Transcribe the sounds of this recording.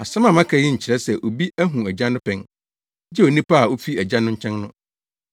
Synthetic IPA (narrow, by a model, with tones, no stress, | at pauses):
a˨sã˦mã˨mã˦kʰa˨˦jɪ˦ɲ̩˨t͡ɕʰɪ˨ɾɛ˦sɛ˨ʔo˨bi˦æ˦ɦũ˨æ˨d͡ʑã˦nʊ̃˦pʰɛ̃˨ŋ | d͡ʑɛ˦o˨nĩ˦pa˦a˨o˦fi˦æ˨d͡ʑã˦nʊ̃˦ɲ̩˦t͡ɕʰɛ̃˦ŋnʊ̃˦